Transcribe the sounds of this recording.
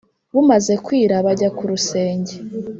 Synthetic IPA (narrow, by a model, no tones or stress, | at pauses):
βumaze̞kwiːɾaβaɟakuɾuse̞ːɲɟe